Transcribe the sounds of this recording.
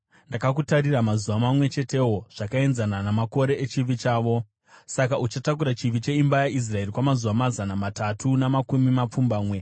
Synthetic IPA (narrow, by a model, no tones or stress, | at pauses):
ndakakutaɾiramazuʋamamwe̞t͡ʃe̞te̞ɦo̞ʐ̥akae̞nzananamako̞ɾe̞ʔet͡ʃiʋit͡ʃaːʋo̞ | sakaʔut͡ʃatakuɾat͡ʃiʋit͡ʃe̞imbajaʔis̬rae̞rikwamazuʋamazanamatatʰunamakumimap͡fumbaːmwe̞